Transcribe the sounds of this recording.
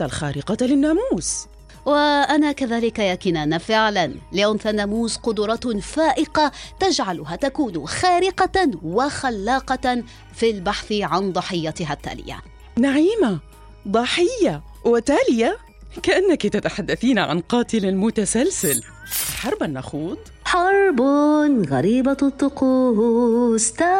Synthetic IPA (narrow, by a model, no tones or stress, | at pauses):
t̪alxaːɾɪqɑlɪnːaːmuːs | waʔanakaðaːlɪkajaːkɪnaːnafɪʕlanlɪʔʊnθanaːmuːsqʊd̪ʊɾˤɑfaːʔɪqat̪ad͡ʒʕalʊɦat̪akuːnxaːɾɪqɑwaxalːɑːqɑ | filbaħθɪʕand̪ˤɑħɪjːat̪ɪɦat̪ːa̰ːlɪ̰ja̰ | naʕiːma | d̪ˤɑħɪjːa | wɪt̪aːlɪja | kaʔanːakit̪at̪aħad̪ːaθiːnʕa̰nqɑːt̪ɪlalmʊt̪asalsal | wɪħɑɾˤbanʔaxuːd̪ˤ | ħɑɾˤbnɣa̰ɾiːbat̪ʊt̪ˤːʊquːɦst̪a